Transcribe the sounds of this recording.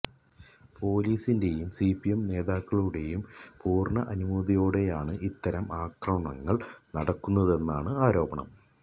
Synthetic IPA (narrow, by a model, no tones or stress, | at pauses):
pʰo̞ːliːsinde̞jumsipijemne̞ːðaːkːɐɭuɽe̞jumpuːrɳɐʔɐnumuːðijo̞ːɽe̞jaːɳɨʔit̪ːɐɾɐmaːkrɐmɐɳɐŋːɐɭnɐɽɐkːunːɐðe̞nːaːɳɨaːɾo̞ːbɐɳɐ̰m